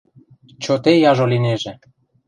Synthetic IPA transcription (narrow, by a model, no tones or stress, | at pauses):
t͡ɕot̪ejɑʒolineʒĕ